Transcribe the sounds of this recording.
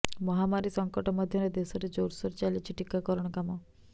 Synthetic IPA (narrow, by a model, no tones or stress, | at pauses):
mɔɦamaɾisɔŋkɔʈɔmɔd̪ʱjɔɾed̪esɔɾed͡ʒowɾsɔɾt͡ʃalit͡ʃʰiʈikakɔɾɔɽ̃ɔkamɔ